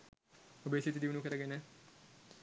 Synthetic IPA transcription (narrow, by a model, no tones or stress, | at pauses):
obeːsit̪id̪iʋnukɐɾɐɡene